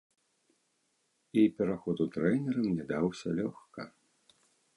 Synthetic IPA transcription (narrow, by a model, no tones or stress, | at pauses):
ipʲɛɾaxɔd̪ut̪ɾɛnʲɛɾɐmnʲɛd̪awsʲɐlʲɔxkɐ